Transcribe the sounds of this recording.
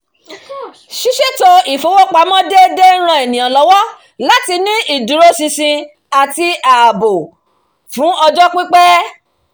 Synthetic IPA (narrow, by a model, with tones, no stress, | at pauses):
ʃi˦ʃe˦to˧i˨fo˨˦wo˦k͡pa˧˦mɔ̃˦de˦de˦ɾ̃ã˧˦e˨nĩ˨j̃ã˨lɔ˨˦wɔ˦ | la˨˦ti˧nĩ˦i˦˨dũ˨˦ɾo˦sĩ˧sĩ˧ | a˨ti˧a˨bo˨ | fũ˨˦ɔ˧d͡ʒɔ˦k͡pi˦k͡pɛ˦